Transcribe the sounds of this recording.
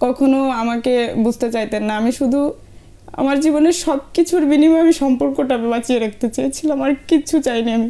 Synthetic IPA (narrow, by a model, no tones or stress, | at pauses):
kɔkʰonoamakebud͡ʑʱt̪et͡ɕajt̪enːaamiʃud̪ʱu | a̰maɾd͡ʑiβoneɾʃɔbkit͡ɕʰuɾbinimɔeamiʃɔmpoɾkoʈabebat͡ɕieɾek̚ʰt̪et͡ɕejet͡ɕʰilaamaɾkit͡ɕʰut͡ɕajniami